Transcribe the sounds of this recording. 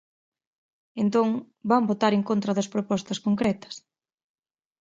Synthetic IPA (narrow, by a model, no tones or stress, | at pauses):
ent̪oŋ | bambot̪aɾeŋkont̪ɾɐðɐspɾopɔst̪ɐskoŋkɾɛt̪ɐ̥s